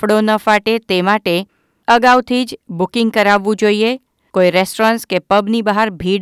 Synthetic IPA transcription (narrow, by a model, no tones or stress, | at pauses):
ɽonəfaʈet̪emaʈe | əɡawt̪ʰid͡ʒbʊkɪ̃ŋɡ̚kəɾaʋːũd͡ʒoie | koiɾesʈɾãnskepəbnibəɦaɾbʱiɽ